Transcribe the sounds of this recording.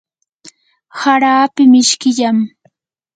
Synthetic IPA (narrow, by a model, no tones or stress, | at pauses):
haɾaːpɪmɪʃkɪʎam